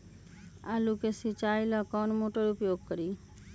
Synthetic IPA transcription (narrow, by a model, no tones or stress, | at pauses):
alukesit͡ʃajlɔkɔnmoʈoɾupjoɡ̚kɔɾi